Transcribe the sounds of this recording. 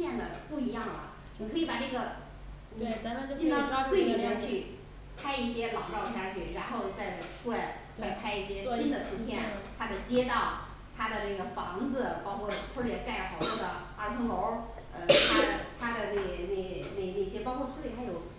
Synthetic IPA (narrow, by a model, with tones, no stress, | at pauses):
ɕjɛ˥˩nd̪ə˩pu˥˩i˧˥jɑ˥˩ŋlə̰˩ | ni˨˩kʰɤ˧˥i˧˩pa˨˩ʈ͡ʂɤ˥˩ɡə˩ | n˩˧˥t͡ɕi˥˧nt̪ɑ˥ŋ˥t͡swe˥˩ɪni˨˩ma˧˥t͡ɕʰy˥˩ | pʰa˥ɪi˥˩ɕjɛ˥lɑ˨˩ʊʈ͡ʂɑ˥˩ʊp̪ʰja˥˧˥t͡ɕʰy˥˩ɻa˧˥nxo˥˧ʊt͡sa˥˩ɪʈ͡ʂʰu˥la˧ɪ | t͡sa˥˧ɪpʰa˥ɪi˥˩ɕjɛ˥i˥nd̪ə˨t͡sʰə˧˥nt̪ʰjɛ˥nt̪ʰa˥d̪ə˨˩t͡ɕjɛ˥t̪ɑ˥˩ʊ | t̪ʰa˥d̪ə˨na˥˩ɡə˩fɑ˧˥ŋd͡zɹ̩˧pɑ˥ʊkʰwɔ˥˩t͡sʰwɔ˥jɛ˥˧˩ka˥˩ɪxɑ˨˩ʊt̪ɔ˥d̪ə˨˩ | a˧˥t͡sʰɤ˧˥ŋlo˧˥ʊ | ə̰˧˩t̪ʰa˥ə˩t̪ʰa˥d̪ə˨ne˥˩ɪne˥˩ne˥˩ɪne˥˩ɪɕjɛ˥pɑ˥kʰwɔ˥˧t͡sʰwɔ˥i˥˩t̪ʰa˥jo˨˩ʊ